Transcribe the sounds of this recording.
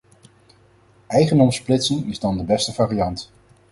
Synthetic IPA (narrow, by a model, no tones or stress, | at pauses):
ʔɛjχəndɔmsplɪtsɪŋɪzdɑndəbɛstəvaːrijɑnt